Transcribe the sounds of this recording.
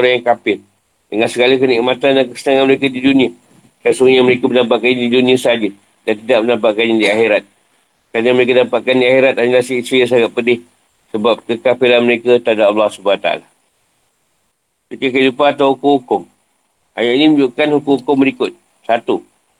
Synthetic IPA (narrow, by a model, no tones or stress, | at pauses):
oɾaŋjaŋkapɪl | dəŋansəɡaləkəniʔmat̪andankəsənaŋanməɾekadidunĩa | kasuŋɲaməɾekabənampaʔkanɲadidunĩasəad͡ʒə | dant̪idaʔ̚mənapaʔkanɲadiaxeɾat̪̚ | kanəməɾek̬adapaʔ̚kandiaxeɾat̪̚aɲəlasiistijas̬aɡat̪̚pədɪh | səbap̚kəkapilanməɾekət̪adaalːahsubaat̪aa̰la | məɾekək̬əidupaːt̪awhukʊŋhukʊŋ | ʔa̰jaʔinimə̃ɲd͡ʒuʔkanhukʊŋhukʊŋbəɾikʊt̪̚ | sat̪u